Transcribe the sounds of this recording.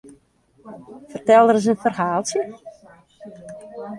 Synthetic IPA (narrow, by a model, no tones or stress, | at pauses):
fərtɛlˠdəɾəs̬ənfərhaːlˠsjə